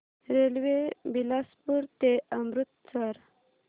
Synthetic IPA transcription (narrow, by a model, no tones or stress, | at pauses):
ɾelwebilaspuɾt̪eamɾut̪̚t͡saɾ